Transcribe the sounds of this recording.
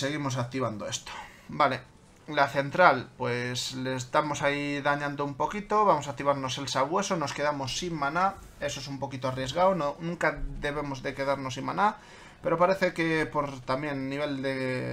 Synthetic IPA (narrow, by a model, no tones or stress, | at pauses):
se̞ɣ̞imo̞s̬ak̚t̪iβ̞and̪o̞e̞st̪o̥ | bale̞ | laθe̞nt̪ɾalpwe̞slest̪amo̞saiðaɲãnd̪oumpo̞kit̪o̞βamo̞sakt̪iβaɾno̞se̞lsaɣwe̞sono̞ske̞ð̞amo̞sːimːana | e̞soesumpo̞kit̪oarje̞zɣaononũŋkaðe̞β̞e̞mo̞zðe̞ke̞ðaɾno̞simmana | pe̞ɾo̞paɾe̞θe̞ke̞po̞ɾt̪amje̞nːiβ̞e̞ld̪e